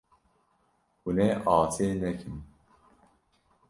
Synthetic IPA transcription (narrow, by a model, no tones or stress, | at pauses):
hunɛːʔɑːsʰeːnɛkʰɨm